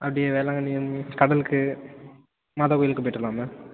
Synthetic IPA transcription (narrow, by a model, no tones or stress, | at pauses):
ʔɐpːɐɽɪjeʋeːlaːŋɡɐniɐnkɐɽɐlɯkːɯ | mɐðɐkuːjɪlɯkːɯpoːjʈːɾɯlaːmɐ